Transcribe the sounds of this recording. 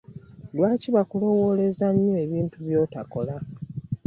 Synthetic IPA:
lwaːciβakulo̞wo̞le̞zaɲːoeβiːntuβjo̞ːtako̞la

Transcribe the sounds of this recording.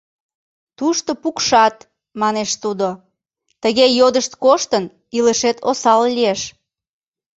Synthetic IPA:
t̪uʃt̪opukʃɑt̪ | mɑneʃt̪ud̪o | t̪əɣejod̪əʃt̪koʃt̪ən | iləʃet̪ʰosɑllieʃ

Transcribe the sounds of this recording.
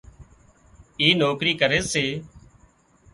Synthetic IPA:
iːnoːkɾiːkəɾeːseː

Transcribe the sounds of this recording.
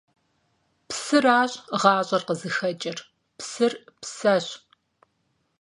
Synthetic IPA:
psɨraːɕʼʁɑːɕʼɐrqəzɨxɐt͡ʃʼɐr | psɨrpsɐɕ

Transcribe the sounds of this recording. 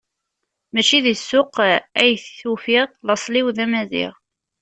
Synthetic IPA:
mæt͡ʃiðisːʊqæjθːufiʁlɑsˤliwðæmæðḭʁ

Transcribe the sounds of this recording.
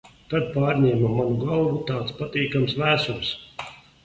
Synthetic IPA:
t̪ad̪̚paːɾɲʲɛːmamːanuɡalˠvut̪aːt̪spat̪iːkamsvæːsuls

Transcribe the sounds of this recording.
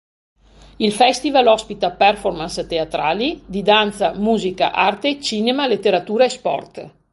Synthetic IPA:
ilfɛst̪ivalɔspit̪apɛrformanst̪eat̪ɾaːlid̪id̪ant̪samuːzika̰ʔart̪et͡ʃiːnemalet̪ːeɾat̪uːɾaespɔ̰rt̪

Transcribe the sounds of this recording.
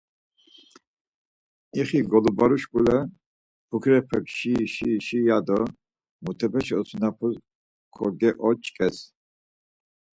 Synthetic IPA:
iχiɡɔlubaɾuʃkʼulɛ | pʰukʰɾɛpʰɛkʃiʃiʃijad̪ɔ | mut̪ʰɛpʰɛʃiɔsʰunapʰu | kʰɔɾɡɛʔɔt͡ʃʼkʼɛs

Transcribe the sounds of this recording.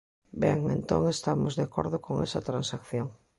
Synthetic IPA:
bɛŋẽnt̪o̰ŋest̪amozðako̰ɾðʊkoŋɛ̰sɐt̪ɾansakθjoŋ

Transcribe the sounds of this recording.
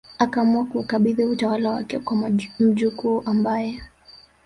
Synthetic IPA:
akaːmuakuːkaɓiðiutawalawa̰kɛkwam̩ʄikuʔambajɛ

